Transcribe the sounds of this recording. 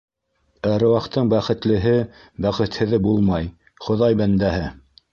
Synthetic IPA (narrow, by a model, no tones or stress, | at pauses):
æɾŏwɑqt̪ɤɴbæχɘ̆t̪lɘ̆ɦɘ | bæχɘ̆t̪hɘ̆ðɘbulˠmɑj | χŏðɑjbænd̪æɦɘ